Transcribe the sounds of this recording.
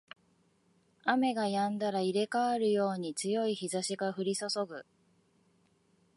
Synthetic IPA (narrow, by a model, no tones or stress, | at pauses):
ame̞ɡajãnd̪aɾaiɾe̞kaaɾɯ̟jo̞ːɲ̟it͡sɨjo̞içizaɕiɡaɸɯ̟ɾʲisoso̞ɡɯ̟